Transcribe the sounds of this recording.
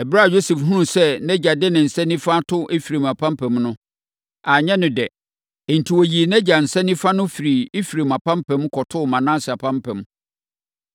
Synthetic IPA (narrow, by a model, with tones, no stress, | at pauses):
ɛ˨bɾa˦˨jo˦sɛ˨fɦũ˦˨sɛ˦nɛ̃˦d͡ʑa˨dɪ˦nɪ̃˨n̩˨sɛ˦nĩ˦fa˦tʰʊ˦ʔe˦fi˨ɾe˨m˨a˨pʰã˦mpʰɛ̃˨mnʊ̃˦ | a˨ɲɛ̃˦nʊ̃˨dɛ˨ | ɛ˨n̩˨tʰi˨wɔ˨ji˨nɛ̃˦d͡ʑa˨n̩˨sɛ˦nĩ˦fa˦nʊ̃˦fi˨ɾi˨e˦fɾe˨ma˨pã˦m˦pʰɛ̃˨˦mkʰɔ˨tʰʊ˦˨mã˨nã˦sɪ˨a˨pʰã˦mpʰɛ̃˨m